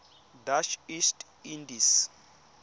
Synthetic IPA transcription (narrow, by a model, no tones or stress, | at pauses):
daʃist | indis